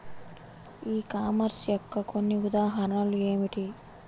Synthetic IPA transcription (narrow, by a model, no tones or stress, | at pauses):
iːkaːmɐɾsjɔkːɐkʰonːiud̪aːɦɐɾɐalueːmiʈi